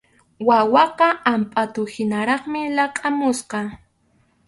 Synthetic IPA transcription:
wawɑqɑampʼat̪ʊhɪnaɾɑχmɪlɑqʼamʊsqɑ

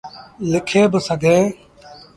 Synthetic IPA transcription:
lɪkʰeːbəsəɡʱeː

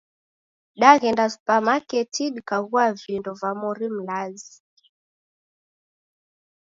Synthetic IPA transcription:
ɗaɣɛndaspamakɛtʰiɗkaɣuavindɔvamɔɾim̩lazi

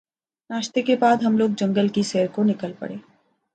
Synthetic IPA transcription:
naːʃt̪ekebaːd̪ɦɐmloːɡ̚d͡ʒɐ̃ŋɡəlkisɛːəɾkonɪkəlpɐ̰ɽeː

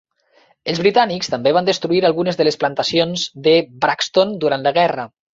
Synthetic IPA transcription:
əlzβɾit̪anikst̪əmbeβ̞and̪əst̪ɾuiɾalˠɣunəzðələsplant̪əsionzd̪əbɾakst̪ond̪uɾant̪ləɣɛrə

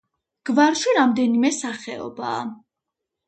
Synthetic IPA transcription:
ɡ̥vaɾʃiɾamd̪ɛnimɛsaχɛɔ̰ba̰ː

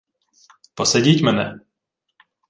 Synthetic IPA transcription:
pɔsɛɟicʲmɛnɛ̰

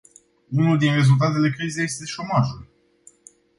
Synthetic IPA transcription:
unuld̪inre̞zult̪̬at̪e̞le̞kɾizeje̞st̪e̞ʃo̞maʒul

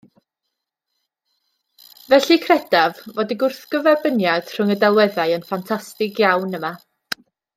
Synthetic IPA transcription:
vɛɬikʰrɛd̥avvɔdiɡʊrθɡ̥əvɛrbənjad̥r̥ʊŋədɛlˠwɛðajənfantʰastɪɡjawnəma

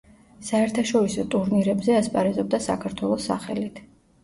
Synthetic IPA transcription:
saɛɾt̪ʰaʃɔɾisɔt̪ʼuɾniɾɛbzɛaspʼaɾɛzɔb̚d̪asa̰kʰaɾt̪ʰwɛlˠɔsːa̰χɛlit̪ʰ

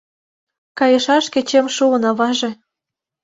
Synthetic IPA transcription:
kɑjɤ̆ʃɑʃkĕt͡ɕemʃuə̆nɑβɑʒĕ

